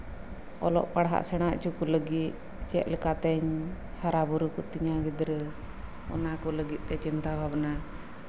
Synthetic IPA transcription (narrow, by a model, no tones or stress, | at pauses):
ɔ̰lɔ̰ʔpaɽɦa̰ʔsɛɽ̃aʔt͡ʃukuləɡit̪̚ | t͡ʃɛ̰t̪̚lɛkat̪ɛɲ | haɾabuɾukɔt̪iɲaɡid̪ɾə | ɔ̰nakɔləɡit̪̚t̪ɛt͡ʃint̪abʱabna